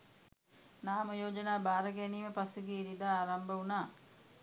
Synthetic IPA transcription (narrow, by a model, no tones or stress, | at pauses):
naːmɐjoːd͡ʒɐnaːbaːɾɐɡɛniːməpasuɡeːɾid̪aːaːɾɐmbɐunaː